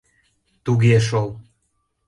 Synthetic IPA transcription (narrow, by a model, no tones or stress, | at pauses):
t̪uɣeʃ̬ol